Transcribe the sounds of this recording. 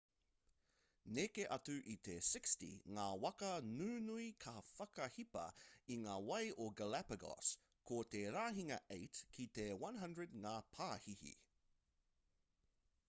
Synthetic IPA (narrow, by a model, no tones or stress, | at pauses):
nekeʔɐtʉʔit̪esɪkstḭŋaːwɐkɐnʉːnuikʰɐfɐkɐhipɐ̰iŋaːwɐjʔoɡəlæpəɡɔ̰s | kʰot̪eɾaːɦiŋɐ̰ʔejtkʰit̪ewɐ̃nɦɐ̃ndɹəd̚ŋaːpʰaːhihḭ